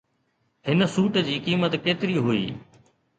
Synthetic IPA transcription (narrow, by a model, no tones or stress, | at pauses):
hɪnsuːʈd͡ʑiːkiːmət̪keːt̪ɪɾiɦʊḭː